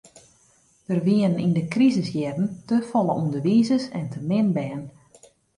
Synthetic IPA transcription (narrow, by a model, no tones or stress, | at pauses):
d̥ərʋiəənindəkrizəsjɛrən̩təfɔlˠəʔumdəʋiːzəsɛ̰ntʰəmɪnbɛːn